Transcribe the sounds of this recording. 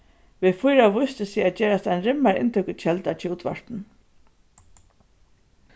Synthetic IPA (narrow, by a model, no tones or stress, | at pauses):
ʋɪðfʊjɾaʋʊjst̪ɪsiaðt͡ʃeːɾast̪aɪnɾɪmːaɹɪ̰nt̪ʰʏkɪt͡ʃʰɛlt̪at͡ʃʰɪluːt̪ʰʋa̰ɹ̥t̪n̩